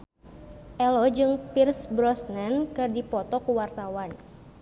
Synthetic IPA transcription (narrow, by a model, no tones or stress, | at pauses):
ʔɛlɔd͡ʒɨŋpirsbɾɔsnɛnkɨrdipɔt̪ɔkuwart̪awan